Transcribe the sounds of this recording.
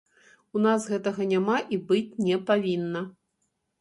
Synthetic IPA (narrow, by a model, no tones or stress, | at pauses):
unasɣɛt̪ɐɣɐnʲamaʔibɨt͡sʲnʲɛpavʲinːɐ